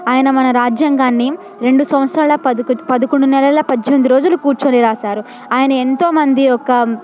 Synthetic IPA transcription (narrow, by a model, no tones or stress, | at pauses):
aːjɐnɐmɐnɐɾaːd͡ʒjɐŋɡaːnːi | ɾe̞ɳɖusɐ̃mɐt̪sɾaːlɐpɐkpɐd̪ɐkoɳɖunɛlɐlɐpɐd̪ond̪uɾo̞ːd͡ʒulukuːɾt͡ʃoːniɾaːsaːɾu | aːjɐnɐe̞nt̪o̞ːmɐnd̪iɔkɐ